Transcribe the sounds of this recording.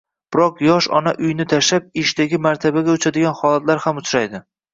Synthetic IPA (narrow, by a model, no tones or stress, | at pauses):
b̥ɪɾɒqjɒʃɒ̰naʔʊjnɪt̪ʰaʃap̚ɪʃd̪aɡʲɪmaɾt̪ʰabaɡʲaʊt͡ʃʰad̪ɪɡʲanχɒlˠat̪laɾhamʊt͡ʃʰɾajd̪ɪ